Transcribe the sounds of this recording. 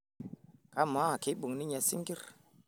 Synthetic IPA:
ka˨˦ma˨˦a˨ki˨˦ɓu˨ŋni˦ɲɛ˨sḭ˦ŋki˦ɾ

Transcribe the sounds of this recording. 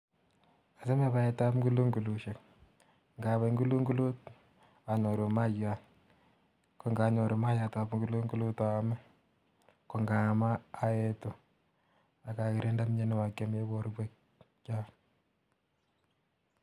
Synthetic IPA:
a˨se˦me˦βa˦ɛta˦pŋɡu˦lu˦ŋɡu˨lu˨ʃe˨k | ŋɡa˨βa˨ŋɡu˦lu˦ŋɡu˦lu˦t | a˨ɲɔ˨ɾo˨ma˦ja | ko˨ŋɡa˨ɲɔ˨ɾo˨ma˦ja˨ta˨pŋɡu˦lu˦ŋɡu˦lu˦ta˨mɛ˦ | ko˨ŋɡa˨maː˦e˦to˨ | a˨ka˨kiɾe˦nda˦mɲe˦nɛ˦wa˨ka˦me˦bɔ˦ɾbe˦k | ka˦

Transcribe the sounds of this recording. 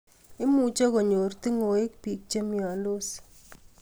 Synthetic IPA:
ɪ˦mu˨t͡ʃe˦ko˨ɲo˨ɾti˦ŋo˨e˦k̚pi˨k̚t͡ʃe˦mjɔ˨ndo˦s

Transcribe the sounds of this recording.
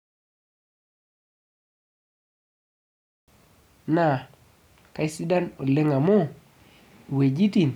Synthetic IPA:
na˨ | ka˦i˦si˦da˦no˨le˦ŋa˨mo˦˨ | we˨d͡ʒi˦ti˨n

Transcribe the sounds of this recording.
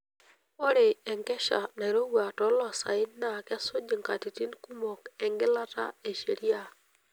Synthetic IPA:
po˦ɾe˨ɛ˨ŋkɛ˦ʃa̰˨na˨ɾo˦wa˨tɔ˨˦lɔ˨sa̰˨ɪ˦nːa˨kɛ˦so˦d͡ʒi˨ŋka˨ti˨ti˦nku˦mo˨kɛ˨ŋɡɪ˦la˦ta̰˦e˨ʃe˨ɾi˦a˨

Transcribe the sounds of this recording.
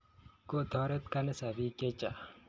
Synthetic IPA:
ko˦t̪ʰɔɾɐt̪ka˦nɐsa˨bi˦ke˦t͡ʃa˨

